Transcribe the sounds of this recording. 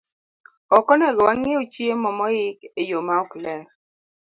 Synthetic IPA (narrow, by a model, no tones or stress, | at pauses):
ɔkɔnɛɡɔwaŋeot͡ʃiemɔmɔɪkejomaɔklɛ